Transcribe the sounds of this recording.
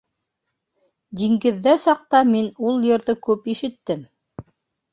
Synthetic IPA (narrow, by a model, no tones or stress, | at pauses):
d̪iŋɡɘ̆ðːæsɑq̚t̪ɑminulˠjɤ̆ɾðɤkʉpiʃɘ̆t̪ːɘm